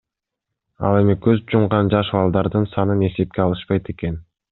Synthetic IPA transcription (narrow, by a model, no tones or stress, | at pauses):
ɑ̰lˠe̞mikøzd͡ʒumʁɑnd͡ʒɑʃβɑlˠd̪ɑɾd̪ɯnsɑnɯne̞se̞p̚kʲeɑlˠɯʃpɑjt̪e̞ke̞n